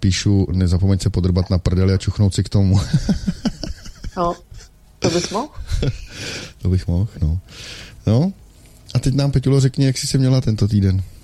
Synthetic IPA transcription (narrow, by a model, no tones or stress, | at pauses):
piːʃunɛzapomɛɲsɛpod̪r̩bat̪napr̩dɛlɪat͡ʃuxnowt̪sɪkt̪o̞mu | no | t̪obɪxmɔx | t̪obɪxmoxnono | ʔat̪ɛcnaːmpɛculorɛkɲɛjaksɪsɪmɲɛlat̪ɛnt̪o̞t̪iːdɛn